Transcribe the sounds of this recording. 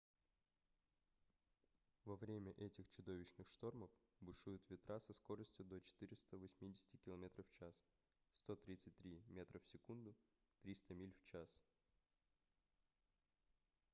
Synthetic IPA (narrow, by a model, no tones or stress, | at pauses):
vɐvɾʲemʲəʔɛtʲɪxt͡ɕʊd̪o̞vʲɪɕnɨxʂt̪o̞rməf | bʊʂujʊt̪vʲɪt̪ɾʔasɐsko̞ɾəsʲtʲjʊd̪ot͡ɕɪ̥t̪ɨɾʲɪst̪əvɐsʲmʲidʲɪsʲɪ̥tʲɪkʲɪlˠɐmʲet̪ɾəft͡ɕas | st̪o̞t̪ɾʲit̪sɨtʲt̪ɾʲimʲe̞t̪ɾəfsʲɪkund̪ʊ | t̪ɾʲist̪əmʲilʲft͡ɕas